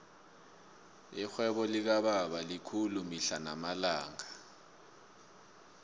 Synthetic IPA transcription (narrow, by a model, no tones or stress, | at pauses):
ixwɛɓɔlik̬aɓaɓalikʰulumiɬanamalaːŋa